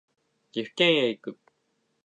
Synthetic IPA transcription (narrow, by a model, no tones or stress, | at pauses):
ɡiɸkẽɰ̃eikɯ